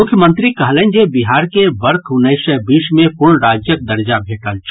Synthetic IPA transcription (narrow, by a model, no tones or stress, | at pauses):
mʊkʰːjəmə̃nt̪ɾikɐɦlẽːɲd͡ʒebɪɦaːɾkebɐɾt̪ʰʊneʃəbiːʃmẽpʊɾɳɾaːd͡ʒjək̚d̪ɐɾd͡ʒabʱeːʈəlt͡ʃʰ